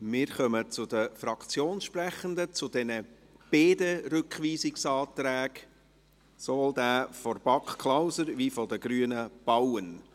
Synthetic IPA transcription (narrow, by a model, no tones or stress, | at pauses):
mɪːɾχœmət͡sʊd̪əfɾɑkt͡sjoːnʃpræχənd̪ət͡sʊd̪ɛnə | b̥eːdəɾʏkχʋiːsɪksɑːt̪ɾæːɡ | sɔvoːld̪æːfɔɾb̥ɑkχkʰlawsəɾvifɔd̪əɡ̥ɾyːənəb̥awən